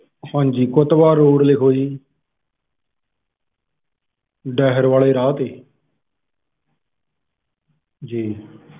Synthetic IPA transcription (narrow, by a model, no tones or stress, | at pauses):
hãːnd͡ʒiːkʊt̪ʋaːɾoːɾlɪkʰoːiː | ɖɛːɦəɾʋaːleːɾaːt̪eː | d͡ʒiː